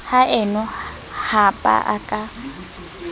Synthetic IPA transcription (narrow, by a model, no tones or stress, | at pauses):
haʔɪnʊ | hapʼa̰ʔa̰kʼa